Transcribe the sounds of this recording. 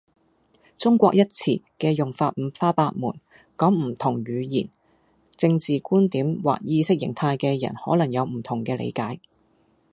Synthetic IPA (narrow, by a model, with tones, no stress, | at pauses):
t͡sʊ˥ŋkʷɔː˧k̚jɐ˥t̚t͡sʰḭː˨˩kɛː˧jʊ˨˩ŋfaː˧t̚m̩˨˧faː˥paː˧t̚muː˨˩n | kɔː˨˥ŋm̩˨˩t̪ʰʊ˨˩ŋɥyː˨˧jiː˨˩n | t͡sɪ˧ŋt͡siː˨kuː˥nt̪iː˨˥mwa̰ː˨k̚jiː˧sɪ˥k̚jɪ̰˨˩ŋt̪ʰaː˧jkɛː˧jɐ̰˨˩nhɔː˨˥lɐ˨˩ŋjɐ˨˧wm̩˨˩t̪ʰʊ˨˩ŋkɛː˧lḛ˨˧jkaː˨˥j